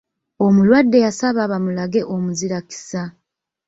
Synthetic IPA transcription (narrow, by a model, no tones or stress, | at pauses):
o̞mulwadːe̞jasaβaβamulaɡe̞ʔo̞muziɾaki̥sa